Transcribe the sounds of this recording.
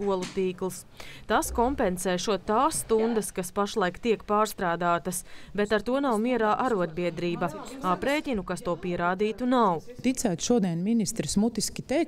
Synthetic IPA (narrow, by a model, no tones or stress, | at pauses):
uɔlˠut̪iːklˠs | t̪aːskɔmpɛnsɛːʃuɔt̪t̪ːaːsːt̪und̪ɐskaspaʃlˠajkt̪iɛkpaːɾst̪ɾaːd̪aːt̪ɐsbɛt̪aɾt̪uɔnawmiɛɾaːʔaɾuɔd̪̚biɛd̪ɾiːbaapɾeːcʲinukast̪uɔpiɛɾaːd̪iːt̪unawt̪it̪sæːt̪ʃuɔd̪iɛnminist̪ɾsmut̪iskʲit̪ɛjk